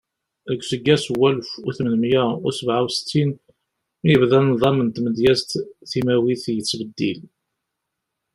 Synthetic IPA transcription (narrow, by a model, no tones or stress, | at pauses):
ðəɡʷsəɡːæswːælfʊθmənəmjæʊ̰səvʕawsə̥t͡s̪ːin | mijəvðænːðˤɑmənt̪məd̪jæst̪θimæwiθjət͡sːbəd̪ːil